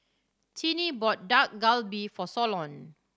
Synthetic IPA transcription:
tʰinibɔt̚dak̚ɡalbifɔsɔlɔ̃n

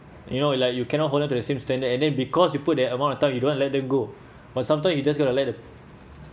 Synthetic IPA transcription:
junolaɪk̚jukɛ̃nɔtɦoldɛ̃mtudəsẽmstɛ̃ndətɛ̃ndɛ̃nbikɔsjuput̚dɛəmãntɔ̃ntãj̃mjudõntlɛt̚dɛ̃mɡo | batsãmt̬ãɪmjud͡ʒas̬ɡɔtulɛt̚də

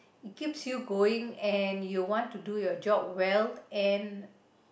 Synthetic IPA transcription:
it̚kipsjuɡoĩŋɛ̃njuwɔ̃ntudujɔd͡ʒɔp̚wɛlɛ̃n

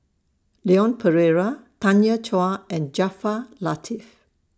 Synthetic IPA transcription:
leɔ̃npʰəɹɛɹat̪ãnjat͡ʃɔaɛ̃nd͡ʒafalatʰif

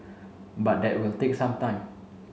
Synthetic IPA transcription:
bat̚dɛʔ̚wilt̪ek̚sãmt̪ãɪ̃m

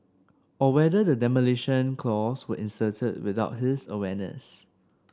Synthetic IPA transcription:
ɔwɛdədədɛməliʃə̃nkʰlɔswə̰ʔɪ̃nsətʰəd̚wɪðaʊt̚ɦɪsəwɛnə̰s

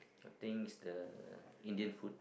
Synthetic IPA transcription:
at̪ĩŋisdəĩndiə̃nfut̚

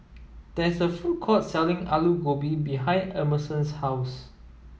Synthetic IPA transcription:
d̥ɛsəfukʰɔtsɛlɪ̃ŋa̰luɡobibiɦãɪ̃nɛməsə̃nshaws

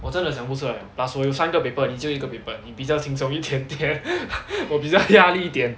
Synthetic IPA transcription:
wɔʈ͡ʂənd̪əɕʰəŋpusʰɤlaŋplasujoʊsanɡəpeɪpənit͡ɕjoʊiɡəpeɪpənnipit͡ɕjɑʊt̪ʰiŋt͡sʰʊŋit̪ʰjɛnt̪jɛnwɔpit͡ɕjɑʊjaliit̪jɛn

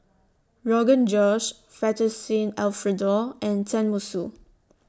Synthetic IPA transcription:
ɹɔɡə̃nd͡ʒɔd͡ʒ | fɛtəsĩnɛlfɹədɔʔɛ̃ntʰɛ̃nmusu

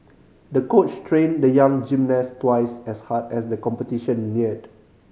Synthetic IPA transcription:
dəkot͡ʃtʰɹẽndəjãŋd͡ʒĩmnɛstwaɪsɛshatɛsdəkɔ̃mpətiʃə̃nːiəd

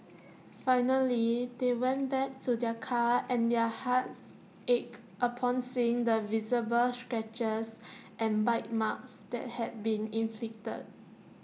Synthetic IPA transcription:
faɪnəlidewɛ̃nbɛk̚tʰudɛkʰaɛ̃ndɛhats | ʔek | ʔəpʰɔ̃nsĩŋdəvizəbəlstɹɛt͡ʃəsʔɛ̃nbaɪt̚maksd̥ɛ̰t̚hɛt̚bĩnĩnflik̚tə̰d̚

